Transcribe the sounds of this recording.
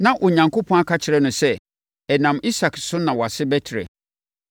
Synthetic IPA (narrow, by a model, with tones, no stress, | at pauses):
nã˦ʔʊ˨ɲã˨ŋko˦pʰɔ̃˦a˦kʰa˦t͡ɕʰɪ˨ɾɛ˦nʊ̃˨sɛ˦ | ɛ˨nã˨mi˦sa˨ksʊ˦nã˨wɔ˨a˨sɪ˦bɛ˦tʰɪ˨ɾɛ̰˨